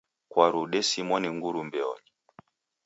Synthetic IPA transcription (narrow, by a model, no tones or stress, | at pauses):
kwaɾuɗɛsimɔniŋɡuɾumbɛɔ̰ɲi